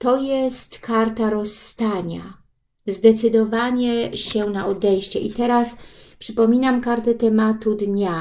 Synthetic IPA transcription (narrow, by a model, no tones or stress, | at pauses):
t̪ɔjɛst̪kaɾt̪aɾɔst̪aɲa̰ | zd̪ɛt̪sɘd̪ɔvaɲɛɕɛnaʔɔd̪ɛjɕt͡ɕɛʔit̪ɛɾaspʂɘpɔmʲinamkaɾt̪ɛt̪ɛmat̪ud̪ɲa